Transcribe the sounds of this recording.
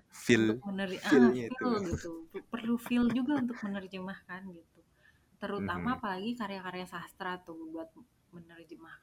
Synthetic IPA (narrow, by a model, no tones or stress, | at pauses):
filmənəraɪlɡit̪upərlufɪld͡ʒuɡaunt̪ʊk̚mənərd͡ʒəmahkanɡit̪u | t̪əɾut̪amaːpalaɡikaɾjakaɾjasast̪ɾat̪uhbuat̪̚ | mənərd͡ʒəmahk